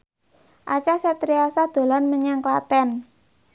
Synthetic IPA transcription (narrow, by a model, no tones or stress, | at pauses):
ʔat͡ʃasɛt̪ɾiasad̪̥o̤lanməɲaŋklat̪ɛn